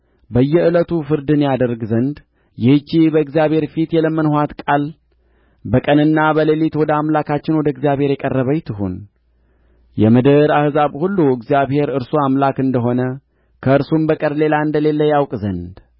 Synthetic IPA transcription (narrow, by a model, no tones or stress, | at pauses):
bəjːɛʔɨlət̪ʰufɨɾd̪ɨnjad̪əɾɡzənd̪ | jɛhɨt͡ʃːibəɨɡzijaβhe̞ɾfit̪jɛləmːənhoat̪kʼal | bəkʼənɨnːabəlelit̪wɔd̪əamlakat͡ʃːɪnwɔd̪əɨɡzjaβhe̞ɾjɛkʼərːəβəjt̪ʰɨɦṵn | jɛmɨd̪ɨɾahzaβhulːuɨɡzijaβhe̞ɾɨɾsuamlakɨnd̪əɦo̞nə | kʰəɨɾsumbəkʼəɾle̞laɨnd̪əle̞lːəjawkʼzənd̪